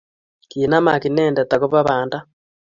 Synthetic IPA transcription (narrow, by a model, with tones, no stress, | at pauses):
kiːna˦ma˨ki˨nɛː˦nde˨ta˨ku˦βa˦βaː˨nda˦